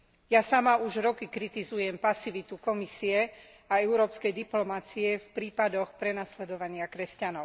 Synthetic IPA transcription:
jasamauʒɾɔkikɾit̪izujɛmpasiʋit̪ukɔmisiɛ | aɛʊɾɔːpskɛjd̪iplɔmat͡siɛfpɾiːpad̪ɔxpɾɛnaslɛd̪ɔʋaɲɪakɾɛscanɔʊ

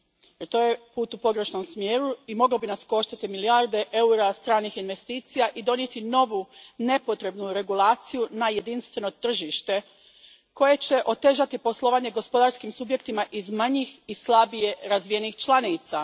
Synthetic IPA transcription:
jeɾt̪o̞ːje̞puːt̪upo̞ɡɾe̞ʃno̞msmjeːɾuimo̞ɡlobinasko̞ʃt̪at̪imiliaɾd̪e̞ʔe̞uɾast̪ɾaːnixinʋe̞st̪iːt̪sijaʔid̪o̞njet̪ino̞ʋune̞po̞t̪ɾe̞bnuɾe̞ɡulaːt̪sijunaje̞d̪inst̪ʋe̞no̞t̪r̩ʒiʃt̪e̞ | ko̞je̞t͡ɕe̞ʔo̞t̪e̞ʒat̪ipo̞slˠo̞ʋaːɲe̞ɡo̞spo̞d̪aɾskimsubje̞k̚t̪imaʔizmaɲixislˠabije̞ɾazʋije̞nixt͡ʃlˠanit̪sa

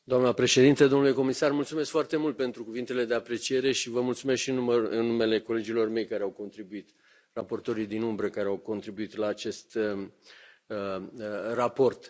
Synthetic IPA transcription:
d̪oamnəpɾe̞ʃe̞d̪int̪əd̪o̞mnule̞ko̞misarmult̪sume̞skfoart̪e̞mult̪̚pe̞nt̪ɾukuvint̪e̞le̞d̪e̞apɾe̞t͡ʃije̞ɾe̞ʃivəmult̪sumeskʃiɨnuɨnːume̞le̞ko̞le̞d͡ʒilo̞rme̞jkaɾeawko̞nt̪ɾibuit̪ | rapo̞rt̪o̞ɾijd̪inumbɾəkaɾeawko̞nt̪ɾibuit̪laːt͡ʃe̞st̪ | rapo̞rt̪

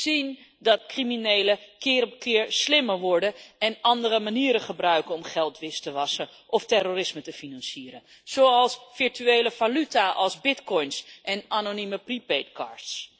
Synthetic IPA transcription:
z̥in | dɑt̚kriminejləkɪːɾɔp̚kɪːɹslɪməɹʋɔɹdənɛnɑndəɾəmaniːɾəχəbrœɥkənɔmχɛlˠtʋɪstəʋɑsə | ʔɔftɛroːrɪsmətəfinɑnsiːɾən | z̥owɑlˠsfɪɹtyejləv̥alytaʔɑlˠzbɪtkɔjnsʔɛnaːnoniməpripetkɑ̰ːɹts

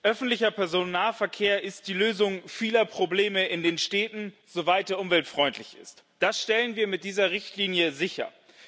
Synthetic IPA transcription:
ʔœfn̩tlɪçɐpʰɛɐzonːaːfɛɐkʰeːɐʔɪst̚d̥iːløːzʊŋfiːlɐpʁ̥obleːməʔɪndeːnʃtɛːtn̩z̥ovaɪlt̚d̥eːɐʔʊmvɛltfʁ̥ɔʏntʰlɪçɪ̰st | d̥asʃtɛlənviːɐmɪt̚d̥iːzɐʁɪçtʰliːnjəzɪçɐ̰

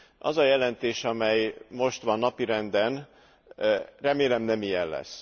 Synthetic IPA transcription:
ʔɒ̰zɒjɛlɛnt̪eːʃɒmɛjmo̞ʃt̪ʋɒnːɒpiɾɛnd̪ɛn | rɛmeːlɛmnɛmijɛnlɛ̰sː

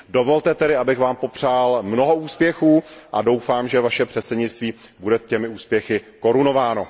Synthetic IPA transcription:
do̞vo̞lt̪ɛt̪ɛɾɪabɪxvaːmpo̞pr̝̥aːlmnoɦo̞uːspjɛxuːʔa̰do̞wfaːmʒɛvaʃɛpr̥ɛt̪sɛdɲɪt͡st̪viːbudɛcɛmɪuːspjɛxɪko̞ɾuno̞vaːno̞

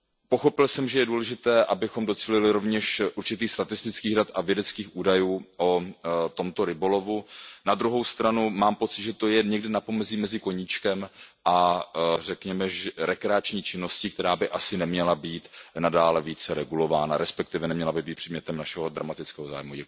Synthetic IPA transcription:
po̞xo̞pɪlsɛmʒɛjɛduːlɛʒɪt̪ɛːʔabɪxo̞mdo̞t͡siːlɪlɪɾo̞vɲɛʃʔuɾt͡ʃɪt̪iːxst̪at̪ɪst̪ɪt͡skiːɣdat̪ʔavjɛdɛt͡skiːxʔuːdajuːʔot̪o̞mt̪o̞ɾɪbolo̞vunad̪ɾuɦo̞wst̪ɾanumaːmpo̞t͡sɪt̪ʒɛt̪o̞jɛɲɛɡdɪnapo̞mɛziːmɛzɪko̞ɲit͡ʃkɛmʔarɛkɲɛmɛʒɛɾɛkɾɛat͡ʃɲiːt͡ʃɪno̞scɪkt̪ɛɾaːbɪʔasɪnɛmɲɛlabiːt̪nadaːlɛviːt͡sɛɾɛɡulo̞vaːna̰ɾɛspɛk̚t̪ɪvɛnɛmɲɛlabɪtbiːt̪pr̥ɛdmɲɛt̪ɛmnaʃɛɦo̞d̪ɾa̰mat̪ɪt͡skɛːɦo̞za̰ːjmujɛ

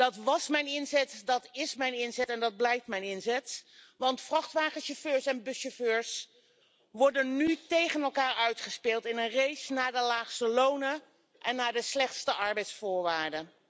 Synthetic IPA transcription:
d̥ɑtʋɑsmɛjnɪnzɛtdɑtɪsmɛjnɪnzɛtɛndɑd̚blɛjftmɛjnɪnzɛtʋɑntfrɑχtʋaːχənʃoføːɹsɛnbɵsoføːɹs | ʋɔɹdənːytejχənɛlˠkaːɹœɥtχəspɪːlˠtɪnənrejsnaːɹdəlaːχstəlownə | ʔɛnːaːɹdəslɛχtstəʔɑɹbɛjtsfʊːɹʋaːɹdə

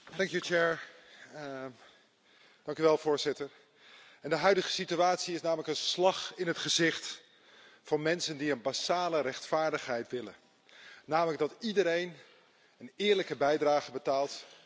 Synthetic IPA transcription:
dɑŋkjut͡ʃɛɹ | d̥ɑŋkyʋɛlˠv̥ʊːɹzɪtəɹ | ɛndəɦœɥdəχəsityaːtsiɪsnaːmələkənslɑχɪnɦətχəzɪχt | fɑnmɛnsəndiənbasaːlərɛχtfaːɹdəχɦɛjtʋɪlən | naːmələkɡ̚dɑtidəɾejn | ənɪːɹləkəbɛjdraːχəbətaːlˠt

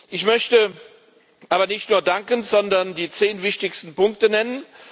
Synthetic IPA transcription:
ʔɪçmœçtə | ʔaːbɐnɪçtnuːɐdaŋkənzɔndɐndiːt͡seːnvɪçtɪçstn̩pʊŋktənɛnən

